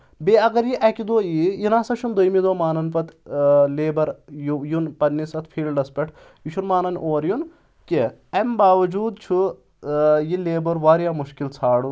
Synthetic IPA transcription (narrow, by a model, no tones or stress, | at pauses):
beɐɡɐɾjiʔɐkʲid̪oːjijinaːsɐt͡ʃʰund̪ojmid̪oːmaːnɐnpɐt̪leːbɐɾjujunpɐnːisɐt̪ʰpʰiːlɖɐspʲɐʈʰ | jut͡ʃʰunmaːnɐnʔoːɾjun | ki | ɐmbaːʋɐd͡ʒuːd̪̚t͡ʃʰu | jileːbɐɾʋaːɾjaːmuʃkilt͡sʰaːɽu